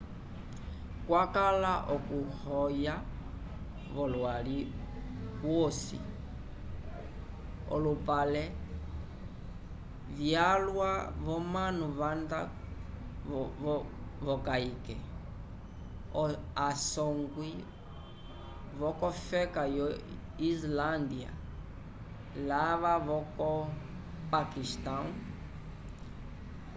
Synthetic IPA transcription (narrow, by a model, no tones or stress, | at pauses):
kwakalaʔɔkuhɔja | βɔlwali | βwɔsḭ | ɔ̰lupalɛ | vjalwaβɔmanuβanda | vɔkaikɛ | ɔasɔŋɡwi | vɔkɔfɛkajɔ | island̪ia̰ | laβaβɔkɔ | pakist̪ãu